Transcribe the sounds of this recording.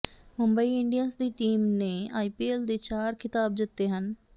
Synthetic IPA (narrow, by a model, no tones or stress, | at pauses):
mʊmbəiːɪɳɖijənsd̪iːʈiːmneːaːiːpiːeːld̪eːt͡ʃaːɾkʰɪt̪aːb̚d̪ɪt̪ːeːɦən